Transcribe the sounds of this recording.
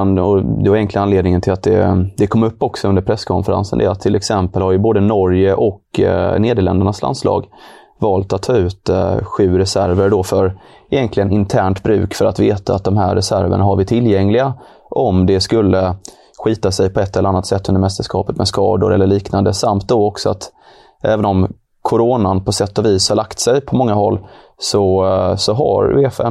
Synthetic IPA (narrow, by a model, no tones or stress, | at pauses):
nɔd̪ɛvaɾjɛŋklɪanleːd̪nɪŋənt̪ʰɪlat̪̚d̪ɛ̰d̪ɛkʰɔmːɵpːɔksɔɵnd̪əɾpʰɾɛsːkʰɔnfəɾa̰nsə̰nd̪ɛ̰at̪ʰːɪlɛksɛmpəlhaɾjɵboːd̪ənɔɾjəʔɔkneːd̪əɭɛ̰nd̪əɳasla̰nslɑ̰ːɡ | vɑːlt̪at̪ʰːɑːʉ̟ːt̪ɧʉ̟ːɾɛsæɾvəɾɖɔfœɾ | ɪjɛnk̪lɪɡənɪnt̪ʰæːɳʈ̪bɾʉ̟̰ːkfœɾat̪veːt̪aːt̪̚d̪ɔmɦæɾːɛsæ̰ɾvə̰ɳaɦaɾvɪt̪ʰɪljɛŋlɪɡa | ʔɔmd̪ɛskɵlːə | ɧiːt̪asɛjpʰɔɛt̪ːɛlːɾanːat̪sɛt̪ːɵnd̪əɾmɛst̪əʂkɑ̰ːpət̪mɛskɑ̰ːd̪ʊ̰ɾɛlːəɭiːknand̪əsamt̪̚d̪ɔɔksɔat̪ | ʔɛːvənɔm | kʰʊɾoːnanpʰɔsɛt̪ːɔviːshaɭakt̪sɛjpʰɔmɔŋːaɦɔlː | sɔsɔɦa̰ɾefɛ̰